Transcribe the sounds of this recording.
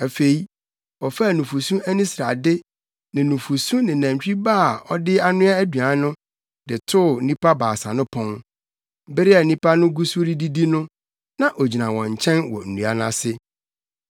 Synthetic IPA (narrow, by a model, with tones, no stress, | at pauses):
æ˨fe˨i˦ | ɔ˨fa˦˨nʊ̃˨fu˨sũ˦æ˦nĩ˦sɾa˨dɪ˦ | nɪ̃˨nũ˨fu˨sũ˦nɪ̃˨næ̃˨m˨t͡ɕᶣi˦baː˦˨ɔ˦dɪ˦a˦nʊ̃˦a˦æ˦dɥa˨˦nʊ̃˦ | dɪ˨tʰʊ˦˨nĩ˦pa˦baː˨sa˨nʊ̃˦pʰɔ̃˦ŋ˦ | bɪ˦ɾɪ˦a˨nĩ˦pa˦nʊ̃˦ɡu˦su˦ɾi˦di˦di˦nʊ̃˦ | nã˦˨ʔɔ˨d͡ʑi˨nã˨wɔ̃˨ɲ̩˨t͡ɕʰɛ̃˦nwɔ̰˨n̩˨nũ˨˦a˦nã˦sɪ˦